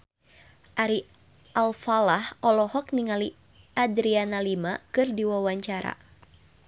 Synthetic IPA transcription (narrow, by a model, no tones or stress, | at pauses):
ʔaɾi | ʔalfalahɔlɔhɔk̚niŋali | ʔadɾianalimakɨrdiwawaɲt͡ʃaɾa̰